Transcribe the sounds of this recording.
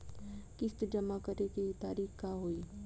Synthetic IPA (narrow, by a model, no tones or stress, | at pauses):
kɪst̪d͡ʒɐmakəɾekit̪aːɾiːxkaːɦoːiː